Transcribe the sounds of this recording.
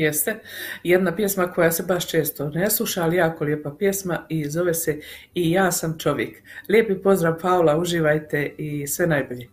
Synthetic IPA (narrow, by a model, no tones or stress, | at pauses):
jest̪ejed̪napje̞smako̞jase̞baʃt͡ʃe̞ːst̪o̞neslˠuʃaːlijaːko̞ljepapje̞smaizo̞ʋese | ijaːsamt͡ʃo̞ʋjekljeːpipo̞zd̪ɾaːʋpaolauʒiːʋajt̪e̞isʋe̞najboʎeː